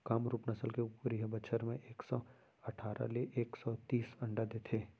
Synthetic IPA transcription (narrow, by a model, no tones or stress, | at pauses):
kaːmɾuːpnɐsəlkeupɾiːɦbɐt͡ʃʰəɾmẽʔeːksɔː | ɐʈʰaːɾʔa̰leʔeːksɔːt̪iːsɐ̃ɳɖad̪eːt̪ʰeː